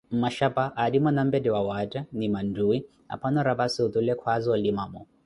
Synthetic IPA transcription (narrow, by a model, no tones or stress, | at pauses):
mmaʃapaʔːdimɔnam̩bɛdɛwawatanimanduwi | a̰pʰanɔɾapasiut̪ulɛkʰwazɔlimamɔ